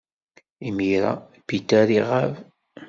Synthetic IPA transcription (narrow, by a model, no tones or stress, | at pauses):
imiɾa̰ | pit̪ːæɾiʁav